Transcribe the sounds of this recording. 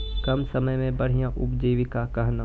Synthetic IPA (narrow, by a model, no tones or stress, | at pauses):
kɐmsɐməjmẽbɐɽ̤ijãʔʊpd͡ʒiːʋikakɐɦna